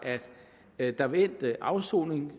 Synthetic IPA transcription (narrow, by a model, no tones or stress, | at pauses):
ʔæd̥ | d̥ɑ̈ʋen̰d̥əʔɑ̈ʊso̰ːne̝ŋ